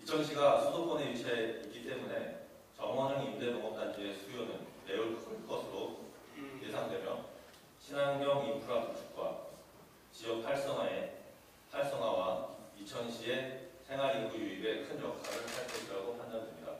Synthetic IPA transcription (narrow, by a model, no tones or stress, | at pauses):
it͡ɕʰʌnɕʰiɡasʰudopʰʌneɥit͡ɕʰaeik͈it͈e̞mune̞ | t͡ɕʌŋwanɯnimdenoŋʌp̚t͈and͡ʑie̞sʰujonɯnːe̞uɭkʰɯnk͈ʌsʰɯɾo | je̞sʰaŋdwe̞mjʌ̰n | ɕʰinaŋbjʌŋipʰuɾwatut͡ɕʰu̥k̚k͈wa̰ | t͡ɕijʌk̚pʰaɭs͈ʌŋɦae | pʰaɭs͈ʌŋɦwawait͡ɕʰʌnɕʰie̞sʰe̞ŋɦaɾiɡujuibe̞kʰɯnjʌk̚k͈ʰaɾɯnpʰaɭt͈ʌɕʰiɾaɡopʰandʌndwe̞mɲida̰